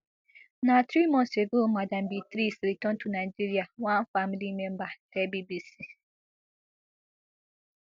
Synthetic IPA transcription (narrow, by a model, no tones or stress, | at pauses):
nãtʰɾimɔ̃nseɡomadãmbitɾisɾitɔ̃ntʰunaid͡ʒiɾiawãnfamilimɛ̃mbatʰɛbibisi